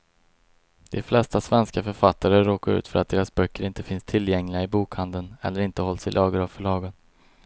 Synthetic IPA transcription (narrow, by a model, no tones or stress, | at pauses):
d̪̥ɛflɛst̪asvɛnskafœɾfat̪ːaɾəɾoːkaɾʉ̟ːt̪fœɾat̪̚d̪eːɾasbœkːəɾɪnt̪əfɪnst̪ʰɪlːjɛŋlɪɡaɪbuːkhand̪ənɛ̰lːəɾɪnt̪əhɔlsɪlʔɑːɡəɾavfœɭɑːɡən